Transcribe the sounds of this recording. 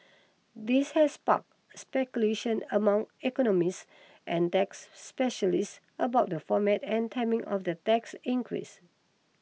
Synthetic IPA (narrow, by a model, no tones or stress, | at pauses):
dishɛspa̰k̚ | spɛkjuleʃə̃nəmãŋɛkɔnɔmis | ʔɛ̃ntɛksːpɛʃəliss | əbaʊt̚dəfɔmɛtɛ̃ntʰaɪmĩŋʔɔ̰fdətɛksĩŋkʰɹḭs